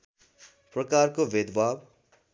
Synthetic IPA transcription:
prʌkarkobed̪bab

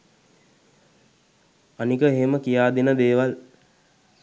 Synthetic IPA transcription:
anikəeɦeməkijaːd̪enəd̪eːʋal

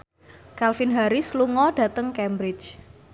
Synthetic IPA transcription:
kalfinɦaɾɪsluŋɔɖ̥ä̤t̪əŋkɛmbɾɪt͡ʃ

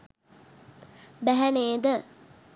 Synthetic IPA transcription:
bæɦæneːd̪ə

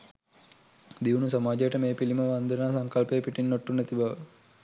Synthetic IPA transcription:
d̪iʋunusamaːd͡ʒejəʈəmeːpiliməʋand̪ənaːsaŋkəlpejpiʈinːoʈːunæt̪ibaʋə

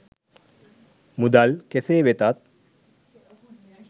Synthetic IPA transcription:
mud̪alkeseːʋet̪at̪̚

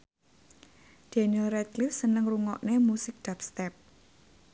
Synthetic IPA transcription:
d̥enioɾɛt̪̚lifsənəŋruŋɔ̰ʔnemusɪk̚d̪̥ap̚st̪ɛp̚

